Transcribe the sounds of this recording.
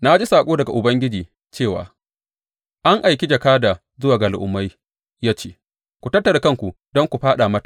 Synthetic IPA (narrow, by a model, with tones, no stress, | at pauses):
na˦d͡ʒi˦saː˨kʷʼoː˦dɐ˨ɡa˨ʔʊ˨bɐ˦ŋɡʲɪ˦d͡ʒiː˨ | t͡ʃeː˦˨wa̰ː˨ | ʔa˦ŋʔa˨jk̬ʲi˦d͡ʒɐ˨kaː˦daː˨ | zʊ˦waː˨ɡɐ˨lʔʊ̰˨mːa˦j | jaː˦t͡ʃeː˦ | kʷu˨tɐ˦tːɐ˨da˨kɐ˦ŋkʷu˨ | dɔ˦ŋkʷu˨ɸaː˦ɗaː˨mɐ˦tḁ˨